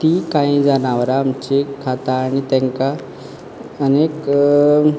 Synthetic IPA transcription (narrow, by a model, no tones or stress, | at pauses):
t̪ikãĩd͡zanaʋɾaːmt͡ɕekʰat̪aːɽ̃it̪ɛ̃ŋka | ənek